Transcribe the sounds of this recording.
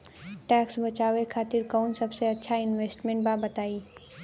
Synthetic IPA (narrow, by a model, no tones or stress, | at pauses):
ʈɛːksbɐt͡ʃaːʋekʰaːt̪ɪɾkɔːnsɐbseɐtːʃʰaɪnʋeːsʈmẽɳʈ̚baːbɐt̪aːiː